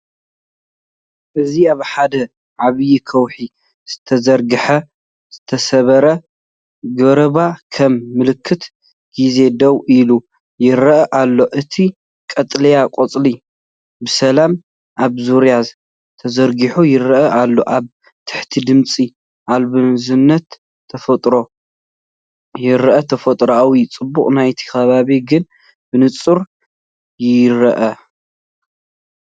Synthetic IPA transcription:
ʔɨziaβħad̪ɐ | ʕaβɨjikʰɐwħi | z̥ɨt̪ʰɐzɐɾɡɨħɐ | z̥ɨt̪ʰɐsɐβɐɾɐ | ɡɐɾɐβakʰɐmːɨlɨkʰːɨt̪ | ɡ̥ize̞d̪ɐwʔilu | jɪɾɐʔɐʔalːo̞ʔɨt̪ʰi | kʼɐt̪ʼlɐjakʼot͡sʼli | bɨsɐlam | ʔaβzuɾjaz | t̪ʰɐzɐɾɡiħujɪɾɐʔɐʔalːoʔaβ | t̪ʰɨ̥ħt̪ʰid̪ɨmt͡sʼi | ʔalβɨzɨnːɐt̪ʰː | ɐfɐt̪ʼɾo | jɪɾʔɐt̪ʰɐfɐt̪ʼɾawit͡sʼɨbːukʼnajt̪ʰi̥kɐβaβiɡɨn | b̥ɨnɨt͡sʼɨɾ | jɪɾɐʔɐ

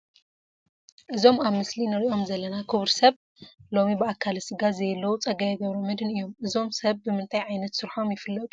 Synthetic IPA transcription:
ʔɨzo̞maβmɨslinɐɾiʔo̞mzɐlːɐnakʰɨβɾsɐβ | lo̞mibɨakʰːalsɨɡazɐjɛlːɐwut͡sʼɐɡɐjɐɡɐβɾomɐd̪ɨnɨjːo̞mʔɨzo̞msɐβːɨmɨnt̪ʼʰajʕajnɐt̪sɨɾħo̞mjɪfɨlːɐt̪ʼu

